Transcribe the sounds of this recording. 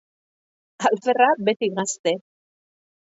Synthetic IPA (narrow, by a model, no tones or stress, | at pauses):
alferabe̞t̪iɣast̪e̞